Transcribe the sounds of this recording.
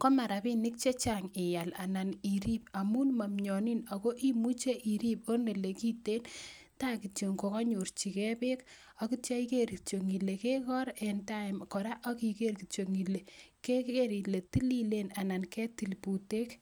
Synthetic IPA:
kɔ˦ma˨ɾa˨bi˦nɪ˦k̚t͡ʃe˦t͡ʃaŋɪ˨ja˨la˨na˨ni˨ɾi˦p̚a˨mu˦nma˨mɲɔ˨ni˦na˨ko˦ʔi˦mu˦t͡ʃe˦ʔi˨ɾi˦p̚o˦nde˨le˨ki˦te˦n | ta˦ki˨to˨ŋko˨kɔ˦ɲu˨ɾt͡ʃi˨kɛ˦pe˦k | ɔ˦ki˦tja˦i˦ke˦ɾki˨t͡ʃo˨ŋi˨le˨ke˦kɔ˦ɾɛnta˦ɪmkɔ˨ɾa˦ʔɔ˦ki˨ke˦rki˨t͡ʃo˨ŋi˨le˨ke˦eɾi˨le˨ti˦li˦le˦na˨na˨nkɛ˦ti˨lpu˨te˦k

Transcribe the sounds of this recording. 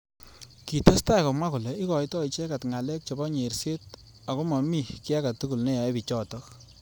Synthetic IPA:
ki˨ta˦sta˦i˨kɔ˨mwa˦ku˨lɛ˨i˦kɔ˨jtɔ˦i˨t͡ʃe˦ka˨tŋa˨lɛ˦k̚t͡ʃɔ˨bɔ˦ɲe˨ɾse˦t̚ | a˨ko˦mɔ˨mi˦kɪ˦a˦ka˨tu˦ku˨lne˦jɔ˨e˦pi˨t͡ʃɔ˦tɔ˦k

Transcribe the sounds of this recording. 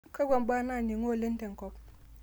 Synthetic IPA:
ka˦ɡʷa˨mba˦na˦˨ni˨ŋo˦˨le˦n˦te˨ŋ̩˨ko˦p

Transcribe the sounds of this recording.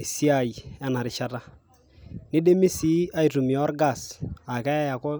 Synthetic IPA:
si˦a˨i˨a˦na˨ɾɪ˨t͡ʃa˦ta˦ | nɪ˦de˦mi˦si˦a˦i˨tu˨mi˨ɔ˦ɾɡa˦˨sa˨kɛ˦a˦ja˨kɔ˦

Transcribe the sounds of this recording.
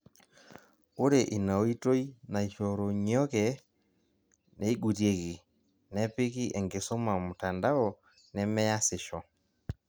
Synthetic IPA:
o˦ɾe˨ʔi˨na˨o˦i˦to˦i˦na˨i˨ʃɔ˨ɾo˨ɲ˦ɔ˦kɛ˨ | nɛ˨i˦ɡu˨tje˦ki˨ | nɛ˦pɪ˦ki˦ʔɛ˨ŋɡe˨so˦ma˨mʊ˨ta˨nda˦ɔ˨ | nɛ˦mɛ˦ja˦sɪ˨ʃɔ˨

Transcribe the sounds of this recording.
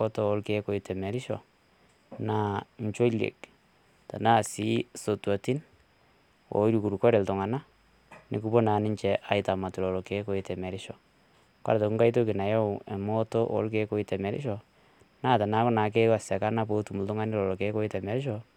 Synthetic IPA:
kɔ˦tɔ˨ɔ˦lke˦ko˨i˨tɛ˨mɛ˨ɾɪ˦ʃɔ̰˨ | na˦ɲt͡ʃo˦lḛ˨k̚ | ta̰˨na˦˨si˦so˨twti˦n | o̰˨˦ɾu˨ku˨ɾu˨kɔ˦ɾe˨ltʊ˨ŋa˨na˦ | nɪ̰˨ku˨po˦na˨nɪ˦ɲt͡ʃɛ˨ʔa˦ɪta˨ma˨tu˨lɔ˨lɔ˨ke˨˦ko˨˦i˨tɛ˨mɛ˨ɾɪ˦ʃɔ˨ | kwa̰˦ɾtɔ˨kuŋɡa˦i˦t̬o˦ki˨na˨jɔ˦˨ɛ˨mɔ˦to˦ʔɔ̰˦lke˦ko˦i˦tɛ˨mɛ˨ɾɪ̰˦ʃɔ˨ | na˦˨ta˨na˦kʊ˦na˨˦k̬e˦wa˨sa˨ka˦na˦p̬o˦tu˨mu˨ltʊ˦ŋa˦nɪ˦lɔ˨lɔ˨ke˨˦ko˦i˦tɛ˨mɛ˨ɾɪ˦ʃɔ˨

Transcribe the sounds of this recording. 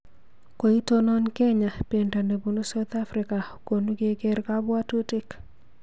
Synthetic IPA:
ko˨i˦to˦nɔ˦nkɛ˦ɲa˨pe˨nta˨ne˨bu˨nu˦sa˦wt̪a˦fɾɪ˨ka˨ko˨nu˦ɡe˦ɡe˦ɾka˦bwa˦tu˦tɪ˦k

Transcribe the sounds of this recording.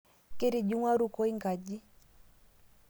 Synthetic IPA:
ke˦ɾi˨d͡ʒu˦ŋwa˦ɾu˦ko˦i˦ŋɡa˨d͡ʒi˦

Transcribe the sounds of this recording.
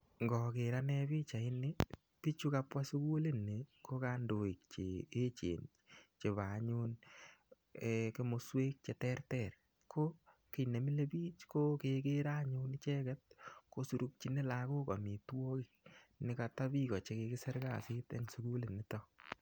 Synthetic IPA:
ŋɡɔ˨ke˨ɾa˦nɛ˦bi˦t͡ʃa˨ɪ˦nɪ˦ | pi˦t͡ʃu˦ka˧pwa˦su˦ku˦le˦ne˨ko˦ka˦ndo˨i˨k̚t͡ʃe˨e˦t͡ʃḛ˨n | t͡ʃe˨βa˨ɲu˦n˨ | ke˦mo˨sweː˦k̚t͡ʃe˨tɛ˦rtɛ˨r | kʰo˦ | ki˨ne˨mi˦le˦piː˦t͡ʃko˦kekeɾa˦ɲu˦nt͡ʃɛ˦kɛ˦t̚ko˦su˨ɾuk̚t͡ʃi˦ne˦lako˦ko˨mi˨two˦kɪ˦k̚nɪ˨ka˧ta˦pi˦kɔ˨t͡ʃe˧ke˧kɪ˦sɛ˦ɾka˦˨sɪ˦tɛ̰˦ŋsu˦ku˦le˨ni˨tɔ˦

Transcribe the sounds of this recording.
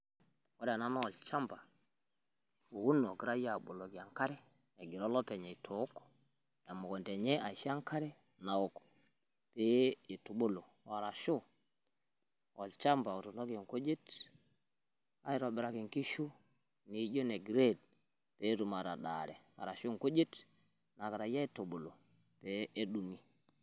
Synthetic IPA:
wo˦da˨na˦na˦ɔ˨lt͡ʃa˦mba˨ | u˨wu˦no˨ki˦ɾa˦ja˨ɓo˨lo˨ki˨a˨ŋka˦ɾɛ˦ | e˨ɡi˨ɾo˦lɔ˦pe˨ɲɛ˨i˨tʰo˨˦kɔ̥˦ | ja˨mo˨ko˨nte˨ɲe˦ʔa˨ʃa˦ŋka˦ɾɛ˦ | na˨wo˦kɔ̥˨ | pe˦i˨tu˨ɓo˦lo˨ | wa˨ɾa˨ʃu˦ | ʔɔ˨lt͡ʃa˦mba˨o˨to˨ndo˦ko˨ŋko˦d͡ʒe˦t | a̰˨i˦ɾɔ˨bɪ˨ɾa˨ki˨ŋki˦ʃu˦ | ni˨˦d͡ʒo˦ne˨ɡi˨ɾe˦˨d̚ | pe˨˦tu˨ma˨ɾa˨ɗa̰˨ɾɛ˨a̰˨ɾa˨ʃo˦ŋko˦d͡ʒe˦t | na˨ka˨ɾa˨ja˦i˦to˨ɓo˨lo˨ | pe˦e˦ɗu˨mi˦

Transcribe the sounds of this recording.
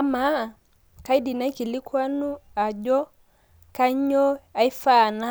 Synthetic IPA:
a˦ma˦˨ | ka˦i˦di˨na˦i˦ki˨li˦kwa˦nu˦a˨d͡ʒɔ˦ | ka˦ɲɔ˦a˨i˦fa˦˨na˦

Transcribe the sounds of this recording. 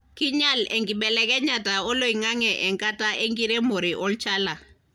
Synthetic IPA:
ki˦ɲa˦lɛ̰˨ŋɡi˨ɓɛ˨lɛ˦kɛ˦ɲa˨ta˨ɔ˦lo˨i˨ŋa˦ŋɛ˨ʔɛ˨ŋkʼa˦ta˦ʔe˦ŋɡi˦ɾe˦mo˨ɾi˨ʔɔ˦lt͡ʃa˦la˨

